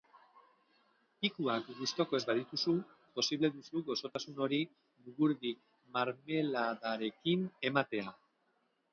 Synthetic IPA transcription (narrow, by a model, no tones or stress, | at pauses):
pikuakɡust̪o̞ko̞e̞zbaðit̪usu | po̞siβle̞ðusuɣo̞so̞t̪asuno̞ɾi | luɣuɾði | maɾme̞laðaɾe̞kine̞mat̪e̞a